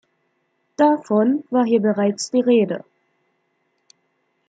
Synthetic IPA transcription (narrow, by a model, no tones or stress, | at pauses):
d̥afɔnvaːɐɦiːɐbəʁaɪt͡sd̥iːʁeːdə̰